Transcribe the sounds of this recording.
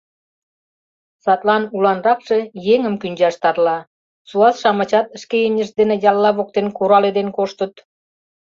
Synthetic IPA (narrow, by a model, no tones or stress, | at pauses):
sɑt̪lɑnulɑnrɑkʃe̽jeŋəmkynʲd͡ʑɑʃt̪ɑrlɑ | t͡suɑsʃɑmɑt͡ɕɑt̪əʃkejemʲəʃd̪enĕjɑlːɑβok̚t̪enkuɾɑled̪enkoʃt̪ət̪